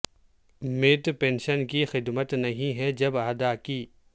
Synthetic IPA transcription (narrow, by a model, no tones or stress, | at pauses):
mɪʈpɛ̃ːnʃənkixɪd̪mət̪nɐɦĩɦɛd͡ʒɐbaːd̪aːkiː